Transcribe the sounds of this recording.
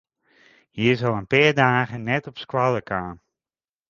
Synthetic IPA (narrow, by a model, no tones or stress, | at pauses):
jizɔlˠənpɪːrdaːɣənɛtɔpskwaləkʰaːn